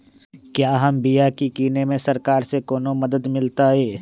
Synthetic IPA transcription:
kjaːɦɐmbijakikiːnemẽsɐɾkaːɾsekoːnomɐd̪əd̪mɪlt̪aɦɛː

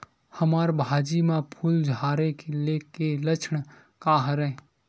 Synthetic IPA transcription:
həmaːɾbʱaːd͡ʒimãpʰuld͡ʒʱaːɾekelekelət͡ʃʰɳ | kaɦəɾə̃

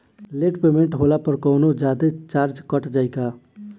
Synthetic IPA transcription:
leʈpemeɳʈɦolapəɾkəwnod͡ʒad̪et͡ʃaɾd͡ʒkəʈd͡ʒaɪka

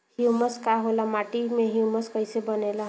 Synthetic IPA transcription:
hiuməskaɦolamaʈimeɦiuməskəjsebənela

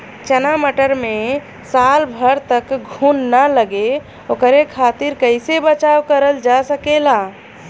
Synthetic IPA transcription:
t͡ʃənaməʈəɾme | salbʱəɾt̪əkɡʱunːaləɡe | okəɾekʰat̪iɾkəɪsebət͡ʃawkəɾəld͡ʒasəkela

